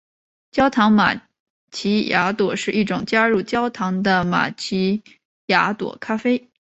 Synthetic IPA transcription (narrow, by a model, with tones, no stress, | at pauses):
t͡ɕjɑ˥ʊt̪ʰɑ˧˥ŋma̰˨˩ | t͡ɕʰi˧˥ja˧˥t̪wɔ˨˩ʂɻ̩˥˧ʔi˥˩ʈ͡ʂʊ˨˩ŋt͡ɕja˥ɻu˥˩t͡ɕjɑ˥ʊt̪ʰɑ˧˥ŋd̪ə˧ma̰˨˩t͡ɕʰi˧˥ | ja˧˥t̪wɔ̰˨˩kʰa˥fe˥ɪ